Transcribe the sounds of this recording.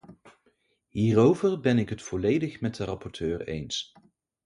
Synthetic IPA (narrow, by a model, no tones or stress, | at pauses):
ɦiːrowvərbɛnɪkɦətfɔlejdəχmɛt̚dərɑpɔɹtʰøːɹḛjns